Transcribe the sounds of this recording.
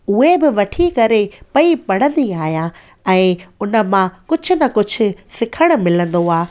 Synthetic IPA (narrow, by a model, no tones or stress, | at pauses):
ʊɦebɪʋɐʈʰikɐɾepɐipɐɽ̤ə̃nd̪iaːɦijã | ɛ̃ːʊnə̆mãkʊd͡ʑʱʊ̆nɐkʊd͡ʑʱʊ̆sɪkʰəɽ̃ʊ̆mɪlə̃nd̪oaː